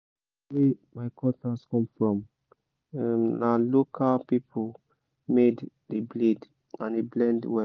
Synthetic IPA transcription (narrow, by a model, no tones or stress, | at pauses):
wɛmaɪkʰɔtaskɔ̃mfɹɔ̃m | malokʰalpipʰo | med | debled | ãndeblɛ̃ndwɛ